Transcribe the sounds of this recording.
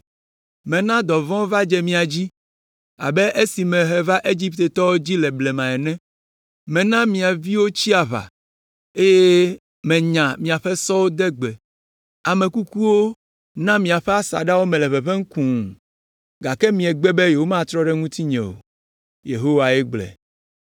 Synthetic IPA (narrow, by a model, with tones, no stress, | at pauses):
mɛ̃˨nã˦d̪ɔ˨vɔ̃˦va˦d͡ʒɛ˦mĩ˨a˨d͡ʑi˦ | a̰˨bɛ˦ʔe˦si˨mɛ̃˨ɦɛ˦va˦ʔe˦d͡ʑi˦pt̪e˨t̪ɔ˦wo˦d͡ʑi˦lɛ˨blɛ˨mã˨ɛ˨nɛ̃˦ | mɛ̃˨nã˦mĩ˨a˨vi˦wo˦t͡ɕi˦a˨βa̰˨ | e˦je˦ | mɛ̃˨ɲã˨mĩ˨a˨ɸɛ˦sɔ˦wo˦d̪ɛ˦ɡ͡bɛ˨ | a˨mɛ̃˨ku˦ku˦wo˦ | nã˦mĩ˨a˨ɸɛ˦a˦sa̰˨ɖa˦wo˦mɛ̃˨lɛ˨βɛ˨ɸɛ˦ŋ̩˦kũ˨ | ɡa˨kɛ˦mĩ˨ɛ˨ɡ͡bɛ˦be˦je˨wo˦mã˦t̪ɾɔ˦ɖɛ˦ŋũ˦t̪i˦ɲɛ̰̃˨wo̰˨ | jḛ˨ɦo˦wa˨ɛ˦ɡ͡blɛ̰˨